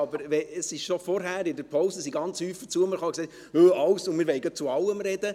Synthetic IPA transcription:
ɑbəɾʋɛəsɪʃʃɔfɔɾɦæːɾɪdəɾpʰɔʊsəsiɡɑnt͡shyːfət͡suəməɾχɑksɛɪ | øɑwsʊnmɪːɾʋɛɪɡœt̚t͡suɑlːəmɾɛd̥̪ə

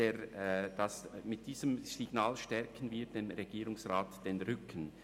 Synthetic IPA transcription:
eːɾd̥ɑsmɪt̚d̥iːz̥əmsɪɡ̥naːlʃtɛɾkʰənviːɾd̥emɾeɡiːɾʊŋsʁaːtd̥enʁʏkʰən̩

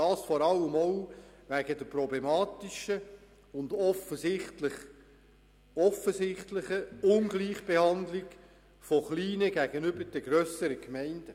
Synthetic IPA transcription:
ɑːsfɔɾɑlːəmowʋæɡ̥ədəprɔblemɑːtiʃə | ʊndɔfəsɪχtlɪχ | ɔfəsɪχtlɪχəʊnɡliːχb̥ehɑnd̪lɪɡ | fɔχliːnəɡ̥æɡənʏbəɾd̥əɡɾœsəɾəkmɛɪnd̥ə

